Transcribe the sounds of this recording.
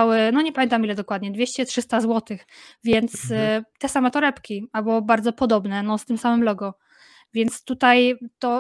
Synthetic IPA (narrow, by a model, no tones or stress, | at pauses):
awɘnɔɲɛpamʲɛnt̪amilɛd̪ɔkwad̪ɲɛd̪vʲjeɕt͡ɕɛtʂɘst̪azwɔt̪ɘxvʲjɛnt̪st̪ɛsamɛt̪ɔɾɛpkʲiabɔbaɾd̪zɔpɔd̪ɔbnɛnɔst̪ɘmsamɘmlɔɡɔ | vʲjɛnt̪st̪ut̪ajt̪ɔ